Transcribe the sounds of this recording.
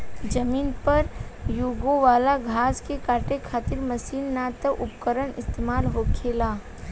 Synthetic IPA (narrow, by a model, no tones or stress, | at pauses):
d͡ʒɐmiːnpɐɾjuːɡoʋaːlaɡʱaːskekaːɾʈekʰaːt̪ɪɾmɐsiːnːaːt̪əʔʊpkəɾənɪ̰st̪eːmaːlɦoːkʰeːlaː